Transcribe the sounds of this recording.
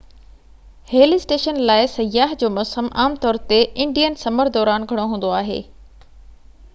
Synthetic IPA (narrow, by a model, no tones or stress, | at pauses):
heːlisʈeːʃənlaːɪsɐjaːɦd͡ʑoːmɔːsəmʔaːmt̪ɔːɾt̪eʔɪ̃ɳɖijənsɐməɾd̪ɔːɾaːnɡʱɐɽ̃oɦũːn̆d̪oaːɦḛː